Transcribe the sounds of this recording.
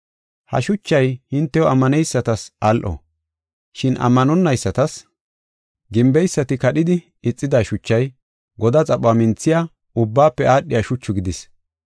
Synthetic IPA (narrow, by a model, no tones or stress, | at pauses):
hɐ̰ʃʊt͡ʃːɐjhɪnt̪ːɛwɔɐmːɐnɛjsːɐt̪ɐsʔalʔɔ̰ | ʃɪnɐ̰mːɐnɔnːɐjsːɐt̪ɐs | ɡɪmbɛjsːɐt̪ɪkɐɗɪd̪ɪ | ɪt͡sʼːɪd̪aːʃʊt͡ʃːɐj | ɡɔd̪ɐt͡sʼɐɓaːmɪnt͡sːɪja | ʊbːaːpːɛaːɗːɪjaʃʊt͡ʃːʊɡɪd̪ɪs